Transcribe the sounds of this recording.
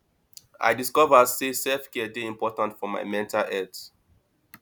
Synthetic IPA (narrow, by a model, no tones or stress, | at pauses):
a̰ɪdiskɔvəsesɛlfkɛdeĩmpɔtãntfɔma̰ɪmɛ̃ntalɛt